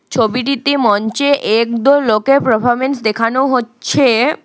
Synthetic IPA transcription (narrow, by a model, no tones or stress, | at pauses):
t͡ɕʰobiʈ̬it̪emɔnt͡ɕeʔek̚d̪oɾlokepɾopʰɔɾmensd̪ekʰanoɦotːɕʰe